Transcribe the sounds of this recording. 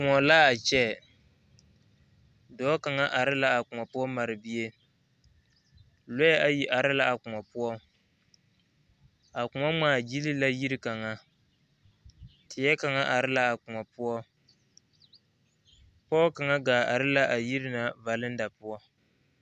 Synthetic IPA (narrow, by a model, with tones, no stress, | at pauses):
kʊ˨ŋɔ˨la˦a˨t͡ʃɛ˦˨ | dɔː˦ka˨ŋa˦ʔa˨ɾɪ˦la˦a˨kʊ˨a˨pʊ˦ɔ˦ma˨ɾɨ˨bi˦e˦ | lɔ˦jɛ˦a˨ji˨ʔa˨ɾɪ˦la˦a˨kʊ˨ŋɔ˨pʊ˦ɔ˦ | a˨kʊ˨ŋɔ˦maː˨d͡ʒi˦li˦la˦ji˦ɾɪ˦ka˨ŋa˦ | tʰɪ˨jɛ˦ka˨ŋa˦ʔa˨ɾɪ˦la˦a˨kʊ˨ŋɔ˨pʊ˦ɔ˦ | pɔː˦ka˨ŋa˦ɡaː˨a˨ɾɪ˦la˦ʔa˨ji˦ɾɪ˦na˨va˨lɪ˦n˦da˨pʊ˦ɔ˦